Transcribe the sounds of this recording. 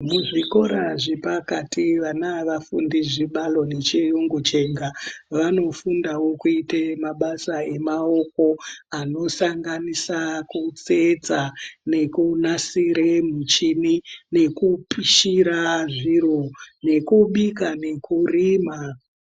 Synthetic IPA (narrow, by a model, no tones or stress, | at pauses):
muʐiko̞ɾaʐipakatiʋanaʋafṵndiʐiɓalo̞net͡ʃijuŋɡut͡ʃe̞ŋɡaʋano̞fundawo̞kuitemaɓasae̞mao̞ko̞ano̞saŋɡanisakut͡sed͡zane̞kunasiɾemut͡ʃinine̞kupiʃiɾaʐiɾone̞kuɓikane̞kʰurima